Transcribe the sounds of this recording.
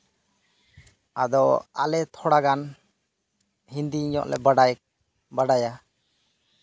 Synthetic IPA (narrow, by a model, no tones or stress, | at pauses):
ad̪ɔa̰lɛt̪ʰɔɽaɡan | hind̪iiɲɔ̰ʔlɛ̰baɖaj | baɖaja